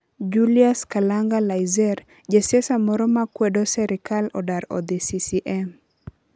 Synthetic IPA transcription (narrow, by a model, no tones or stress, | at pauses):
d͡ʒuliaskalaŋɡalajzɛr | d͡ʒesɛsamɔɾɔmakwɛdɔsɛɾɪkalɔdaɾɔ̰d̪esisiʔɛm